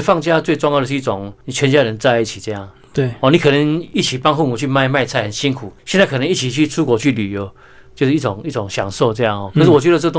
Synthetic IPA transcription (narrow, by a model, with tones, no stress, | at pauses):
fɑ˥˧ŋt͡ɕja˥˧t͡swe˥˧ɪʈ͡ʂʊ˥˧ŋjdə˩ʂɻ̩˥˧i˥˩o˨˩ŋni˨˩t͡ɕʰɥɛ˧˦nt͡ɕja˥ɻə˧˦nt͡sa˥˧ɪi˥˩t͡ɕʰi˨˩t͡sɤ˥˧jɑ˥˩ŋ | t̪we˥˩ɔ˨˧ni˨˩kʰɤ˨˩nə˧˦ŋi˥˩t͡ɕʰi˨˩pɑ˥˦ŋɦu˥˩nu˨˩t͡ɕʰy˥˧ma˥˧ɪma˥˧ɪt͡sʰa˥˩ɪhə˨˩nɕi˦nkʰu˨˩ɕjnt͡sa˥˩kʰɤ˨˩nə˧˦ŋi˥˩t͡ɕʰi˨˩t͡ɕʰy˥˩t͡sʰu˥kwɔ˧˥˦t͡ɕʰy˥˩ly˨˩jo˧˦ʊ | t͡ɕjo˥˧ʂɻ̩˥˧˥i˥˩o˨˩˦ŋi˥˩t͡so˨˩˦ŋɕjɑ˨˩ŋsɔ˥˧ʊt͡sɤ˥˧jɑ˥˨ŋhɔ˥˩kʰʂ̩˥˩wɔ˨˩t͡ɕɥɛ˧˥d̪ə˧t͡sɤ˥˧ə˧t̪